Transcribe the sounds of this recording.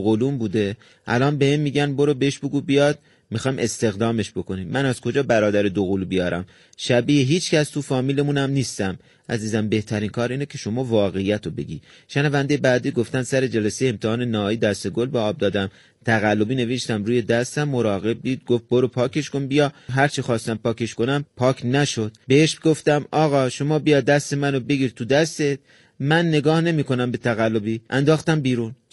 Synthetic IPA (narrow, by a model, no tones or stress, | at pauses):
ɣoluːmbuːd̪e̞ | ʔælɒːnbe̞hemmiːɟænboɾobeeʃbe̞ɡubijɒd̪̥̚ | mixɒːjmʔe̞st̪e̞ɣd̪ɒːme̞ʃb̥o̞ko̞niːmænæzkʰo̞d͡ʒɒːbæɾɒːd̪æɾed̪oɣulubijɒːɾæm | ʃæbijeɦiːt͡ʃʰcʰæst̪ʰufɒːmiːle̞munæmniːst̪æm | ʔæziːzæmbe̞ht̪ʰæɾiːnkʰɒːɾiːnecʲʰe̞ʃo̞mɒːvɒːɣe̞jːæt̪ʰobe̞̰ɡḭː | ʃænævænd̪ejebæːd̪iːɡo̞ft̪ænsæɾe̞d͡ʒælæsejeemt̪ʰehɒːne̞næɒːiːd̪æst̪e̞ɡo̞lbeɒːb̚d̪ɒːd̪æm | t̪ʰæɣælːobiːne̞veʃt̪æmɾuːje̞d̪æst̪æmːoɾɒːɣe̞b̚d̪iːd̪̚ɡoft̪̚boɾopʰɒːkʰe̞ʃkonbijɒɦæɾt͡ʃʰixɒːst̪æmpɒːkʰe̞ʃko̞næmpʰɒːkʰnæʃod̪̥̚beeʃbɡoft̪æmɒːɣɒːʃomɒːbijɒːd̪æst̪e̞mænobe̞ɡiːɾt̪ʰud̪æst̪e̞t̪̚ | mænːe̞ɡɒːhne̞miːko̞næmbe̞t̪ʰæɣælːobiːʔænd̪ɒːxt̪æmbiːɾun